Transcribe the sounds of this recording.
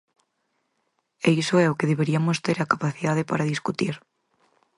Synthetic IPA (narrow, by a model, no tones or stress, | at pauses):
eisoɛokeðeβ̞eɾiamost̪eɾakapaθiðað̞epaɾaðiskut̪iɾ